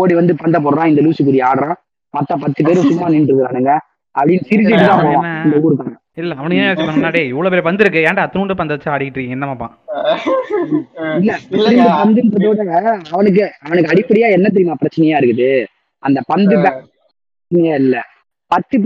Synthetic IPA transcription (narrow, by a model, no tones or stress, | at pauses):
oːɽiʋɐnd̪ɯpɐnd̪ɐp̬oɔːɽɾãːɪnd̪ɐluːsɯk̬ːʊɾɪjaːɽɾãː | mɐt̪ːɐpɐt̪ːɯp̬eːɾɯsʊmːaːnɪɳɖɾɯðɯɾaːnɐŋɡɐ | ʔɐpːɐɽɪnːsɪɾɪt͡ʃːɪʈːɯt̪ãːpoːʋãɪnd̪ɐuːɾɯkːaːŋɡɐ | ɪlːɛɐʋɐnɯkːsãmnːaːɽieɪʋːɭoːpeːɾʋɐnd̪ɯɾɯkːɯẽːɳɖaɐt̪ːɯuːɳɖɯpɐnd̪ɐt͡ʃːaɐɽɪkːɪʈːrɯkːẽːŋɛnːɐmaːpːã̰ː | ɪlːɛɐːɪɾɪnd̪ɯpɐnd̪ɯnɾɐðoːɽɐɐʋɐnɯk̬ːɯɐʋɐnɯkːɯɐɽɪpːɐɽɪjaːɛnːɐt̪̬ːɪɾɪmaːpɪɾɐt͡ʃːɐnɐjaːɪɾɯkːɯðɯ | ʔɐnd̪ɐpɐnd̪ɯbaː | pɐt͡ʃːnɐjaːɪlːɛ | pɐt̪ːɯp